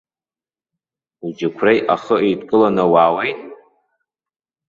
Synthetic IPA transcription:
ud͡ʒɪkʷʰrejʔaχəʔejdkʼɨlanawaːwejtʼ

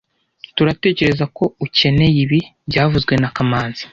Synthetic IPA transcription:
tuɾate̞ːce̞ɾe̞zako̞uce̞ne̞jiβibɟaːvuzɡwe̞nakamaːnzḁ

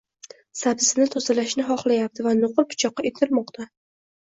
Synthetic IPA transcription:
sabsɪnɪt̪ʰɒzalaʃnɪɦɒχlˠajap̚t̪ʰɪvanoqɨlˠpʰʊ̥t͡ʃʰɒqːɑet̪ʰɪlmɒqt̪ʰa

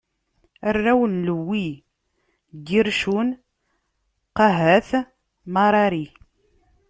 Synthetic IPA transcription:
ərːæwənləwːi | ɡiɾʃun | qɑɦæθ | mɑɾˤɑɾi

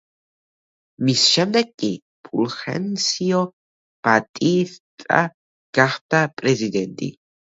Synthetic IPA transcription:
misʃɛmd̪ɛɡkʼːi | pʰulχɛ̰nsiɔ | b̥at̪ʼiɾt̪ʼa̰ | ɡ̥aχd̪apʼɾɛzid̪ɛnt̪ʼḭ

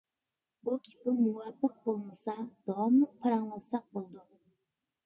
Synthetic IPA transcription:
bukʲipɪmuwɑpːəq̚bolˠmɨsɑd̪̥ɔməpʰɑɾɑŋəsɑq̚bolˠd̪u

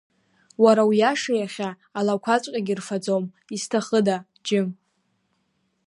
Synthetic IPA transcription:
waɾawiaʂajaχʲaː | lakʷʰat͡sʷʼkʲʼaɡʲirfad͡zom | istʰaχəda | d͡ʒɪ

